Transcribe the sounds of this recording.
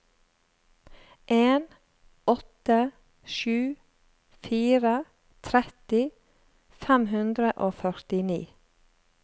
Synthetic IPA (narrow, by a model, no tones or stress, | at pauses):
ʔeːn | ɔt̪ə | ʃʉː | fiːɾə | t̪ʰɾɛt̪ɪ | fɛmhʉnd̪ɾəʔoːfœɾt̪ɪnḭː